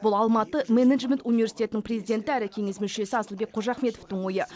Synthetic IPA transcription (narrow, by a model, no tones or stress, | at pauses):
bʊlˠɑlˠmɑt̪əmened̪ʒmʲent̪univesi̥t̪ʲe̞t̪ɪnɪŋprʲezijd̪ʲe̞nt̪ɪæɾɪkʲʰe̞ŋe̞smʏʃe̞sɪɑsəlˠbe̞k̚qʰoʒɑχme̞t̪o̞ft̪əɴwo̞jə